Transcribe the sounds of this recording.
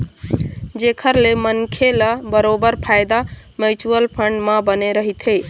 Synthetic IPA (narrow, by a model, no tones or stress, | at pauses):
d͡ʒekʰəɾlemənkʰeləbəɾobəɾpʰajd̪a | məjt͡ʃuəlpʰəɳɖməbəneɾəɦit̪ɦej